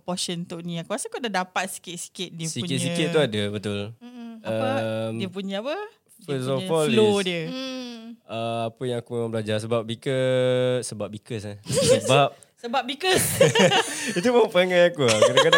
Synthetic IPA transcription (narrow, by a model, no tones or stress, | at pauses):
pɔsənt̪ʊʔniakuasaakuadadapat̪̚si̥kɪt̪̚si̥kɪt̪̚diəsiuɲkɪt̪̚sikɪt̪ːuadəbət̪ʊlaəmdiəpuɲaapə | fəsɔfɔllodiə | əapəjãŋakuməbəlad͡ʒars̬əbap̚bikəsəbap̚bikəsasəbap̚ | səbap̚bikəs | it̪̬uməpaŋajakuakaɾakada